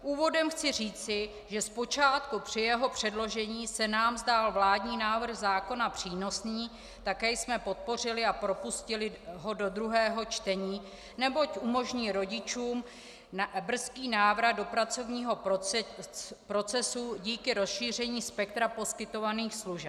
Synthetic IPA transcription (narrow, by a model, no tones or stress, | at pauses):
ʔuːvo̞dɛmxt͡sɪr̝iːt͡sɪ | ʒɛspo̞t͡ʃaːt̪kupr̝̥ɪjɛɦo̞pr̝̥ɛdlo̞ʒɛɲiːsɛnaːmzdaːlvlaːdɲiːnaːvr̩ɣzaːko̞napr̥iːno̞sniː | t̪akɛːjsmɛpo̞t̪̚po̞r̝ɪlɪapɾo̞puscɪlɪɦo̞do̞d̪ɾuɦɛːɦo̞t͡ʃt̪ɛɲiː | nɛbo̞cʔumo̞ʒɲiːɾo̞ɟɪt͡ʃuːm | br̩skiːnaːvɾad̪̚do̞pɾat͡so̞vɲiːɦo̞ | pɾo̞t͡sɛsuɟiːkɪɾo̞sʃiːr̝ɛɲiːspɛkt̪ɾapo̞skɪt̪o̞vaniːxsluʒɛ